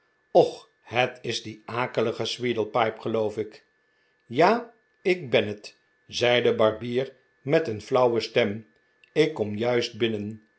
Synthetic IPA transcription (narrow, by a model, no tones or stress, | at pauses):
ɔχ | hətɪzdiʔaːkələχəsʋidəl̩ˠpɑjpχəlowfɪk | jaː | ɪk̚bɛnət | zɛjdəbɑɹbiːr | mɛtənflʌwəstɛm | ɪkːɔmjœɥst̚bɪnən